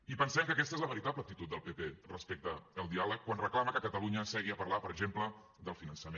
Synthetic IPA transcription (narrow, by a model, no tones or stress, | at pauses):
ipənsɛmkəkɛst̪əezləβəɾit̪apləkt̪it̪ut̪̚d̪əlˠpeperəspek̚t̪əːlˠd̪ialəkːwanrəklaməkəkət̪əluɲəsɛɣiəpəɾlapəɾəɡʒemplə | d̪əlˠfinənsəme